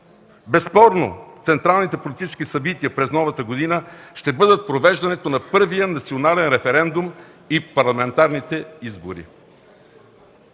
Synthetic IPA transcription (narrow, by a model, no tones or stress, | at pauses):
bɛspɔɾnot̪sɛnt̪ɾalˠnit̪ɛpolit̪it͡ʃɛ̥skisɐbit̪iəpɾɛznɔvət̪əɡod̪inəʃt̪ɛbɤd̪ət̪̚pɾovɛʒd̪ɐnɛt̪onɐpɤɾvijənɐt̪sionalɛnɾɛfɛɾɛnd̪um | ipɐɾlˠɐmɛnt̪aɾnit̪ɛizbo̰ɾḭ